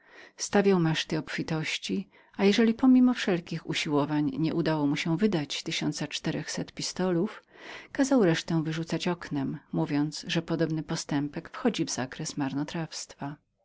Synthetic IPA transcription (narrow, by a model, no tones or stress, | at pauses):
st̪avʲjawmɛʂt̪ɘɔpfʲit̪ɔɕt͡ɕi | ajɛʐɛlʲipɔmʲimɔfʂɛlkʲixṵɕiwɔvaɲɲɛʔud̪awɔmuɕɛvɘd̪at͡ɕt̪ɘɕɔnt̪sat͡ʂt̪ɛɾɛxsɛt̪pʲist̪ɔlufkazawɾɛʂt̪ɛ̃vɘʐut̪sat͡ɕɔknɛmːuvʲjɔnt̪sʐɛpɔd̪ɔbnɘpɔst̪ɛmpɛkfxɔd͡ʑivzakɾɛsmaɾnɔt̪ɾafst̪fa